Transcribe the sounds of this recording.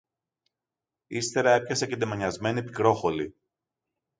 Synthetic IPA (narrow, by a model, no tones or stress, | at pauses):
ist̪e̞ɾɐe̞pçɐseced̪emɐɲɐzme̞nipikɾo̞xo̞li